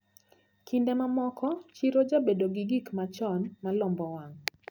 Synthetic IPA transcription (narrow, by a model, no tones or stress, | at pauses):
kʰindɛmamɔkɔt͡ʃiɾod͡ʒabedoɡɪɡikmat͡ʃɔnmalɔmbɔwaŋ